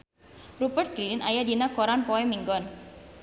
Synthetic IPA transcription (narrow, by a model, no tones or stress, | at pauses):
rupərt̪̚ɡɾilinajadinakoɾanpɔɛmiŋɡɔn